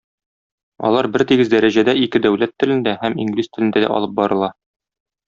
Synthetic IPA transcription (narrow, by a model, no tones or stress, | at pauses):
ɒ̰lˠɑɾbɘɾt̪iɡɘzd̪æɾæʑæd̪æikɘd̪æwlæt̪ːɘ̆lɘ̆nd̪æhæmiŋɡlist̪ɘ̆lɘndæd̪æ̰ʔɒ̰lˠɤp̚bɒɾɤ̆lˠɑ